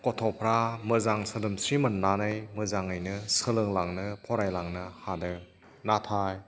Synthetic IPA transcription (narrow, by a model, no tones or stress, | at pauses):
kɔtʰɔpʰɾamɯzaŋsɯdɯmsɾimɯnːanɯjmɯzaŋɯjnɯsɯlɯŋlaŋnɯpʰɔɾajlaŋnɯhadɯ | natʰaj